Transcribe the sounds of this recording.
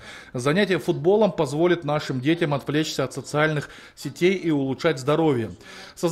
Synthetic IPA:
zɐnʲætʲɪjəfʊd̪̚bo̞lˠəmpɐzvo̞lʲɪt̪naʂɨmdʲetʲɪmɐt̪vlʲet͡ɕsʲəɐt̪sət̪sɨalʲnɨx | sʲɪtʲejiʊlˠʊtʂatʲzd̪ɐɾo̞vʲɪjə | səz

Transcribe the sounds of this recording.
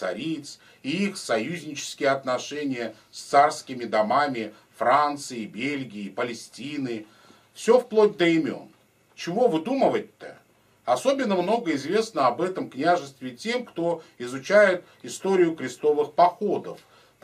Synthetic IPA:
sɐ̰ɾʲit̪s | iixsɐjuzʲnʲɪt͡ɕɪ̥skʲɪjəɐt̪nɐʂɛnʲɪjə | sʲt̪sarskʲɪmʲɪd̪ɐmamʲɪ | fɾant̪sɨɪbʲelʲɡʲɪɪpəlʲɪsʲtʲinɨ | fsʲo̞fplˠod̚ʲd̪əɪmʲo̞̰n | t͡ɕɪvo̞vɨd̪uməvət̪ʲːə̰ | ɐso̞bʲɪnːəmno̞ɡəɪzvʲe̞snəɐbɛt̪əmknʲæʐɨst̪vʲɪtʲe̞mkt̪o̞ɪzʊt͡ɕæjɪt̪ | ɪst̪o̞ɾʲɪjʊkɾʲɪst̪o̞vɨxpɐxo̞d̪əf

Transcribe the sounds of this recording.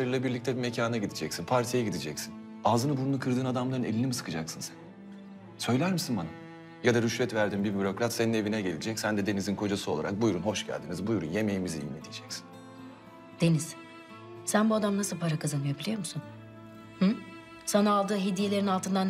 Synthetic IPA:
eɾɯlʲɛbiɾlʲict̪ʰɛbime̞cʰaːnaɟid̪id͡ʒɛcsinpʰaɾt̪ʰijɛɟid̪id͡ʒɛcsin | aːzɯnɯbununukʰɯɾd̪ɯːnad̪amlˠaɾɯne̞lʲinimisɯ̥kʰɯd͡ʒaksɯnsɛn | sø̞jlʲæɾmisinbana | jad̪aɾyʃvɛt̪væɾd̪imbibyɾo̞kɾat̪se̞nine̞vinɛɟe̞lʲid͡ʒɛcsænd̪ɛd̪e̞nizinkʰo̞d͡ʒasɯo̞lˠaɾa̰k̚bujɾunho̞ʃɟæ̰lʲd̪inizbujɾṵnje̞me̞jimiziḭmmet̪ʰijd͡ʒɛcsi̥n | d̪̥e̞niz̥ | sænbuad̪amnasɯlˠpʰaɾakʰazanmɯjabilʲijo̞ɾmusun | h̩ | sanaalˠd̪ɯːɦed̪ije̞lʲeɾinalˠt̪ʰɯnd̪an

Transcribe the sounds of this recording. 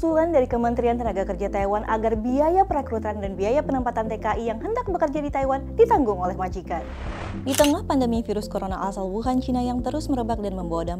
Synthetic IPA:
sulandaɾikəmənt̪ɾiant̪ənaɡakərd͡ʒat̪ajwanʔa̰ɡarbiajapəɾekɾut̪andanbiajapənəmpat̪ant̪ekaʔijaŋɦəndak̚bəkərd͡ʒadit̪ajwandit̪aŋɡʊŋolɛhmad͡ʒikan | dit̪əŋahpandəmifiɾʊskoɾonaʔasalwuɦant͡ʃinajaŋt̪əɾʊsməɾəbak̚danməmbowadam

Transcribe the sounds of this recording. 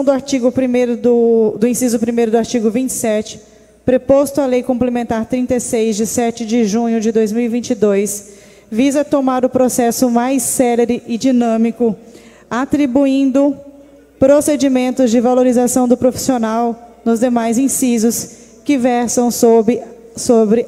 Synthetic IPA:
w̃d̪ʊaɾt͡ʃiɡʊpɾimejɾʊd̪ʊd̪ʊĩsizʊpɾimejɾʊd̪ʊaɾt͡ʃiɡʊvĩnt͡ʃɪ̥sɛt͡ʃɪ̥ | pɾepost̪ʊalejkõmplemẽnt̪aɾt̪ɾĩnt̪esejzd͡ʒɪsɛt͡ʃɪd͡ʒɪʒũɲʊd͡ʒɪd̪ojzmiwivĩt͡ʃɪd̪ojs | vizɐt̪omaɾʊpɾosɛsʊmajsːɛleɾɪʔɪd͡ʒinɐ̃mikʊ | at̪ɾibuĩnd̪ʊ | pɾosed͡ʒimẽnt̪ʊzd͡ʒɪvaloɾizasɐ̃w̃d̪ʊpɾofi̥sionawnʊzd̪emajzĩsizʊs | kɪvɛɾsɐ̃w̃so | sobɾɪ

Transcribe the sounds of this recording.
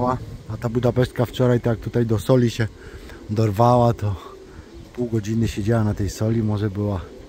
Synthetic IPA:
waat̪abud̪apɛʂt̪̚kaft͡ʂɔɾajt̪jak̚t̪ut̪ajd̪ɔsɔlʲiɕɛ | d̪ɔɾvawat̪ɔ | puwɡɔd͡ʑinɘɕɛd͡ʑawanat̪ɛjsɔlʲimɔʐɛbɘwa

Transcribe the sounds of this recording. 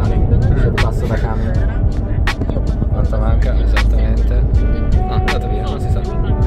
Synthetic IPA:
it̪ad̪ipasːad̪akameɾe | kant̪amaŋkaezat̪ːament̪enɔnd̪aːt̪oviːanonsisa

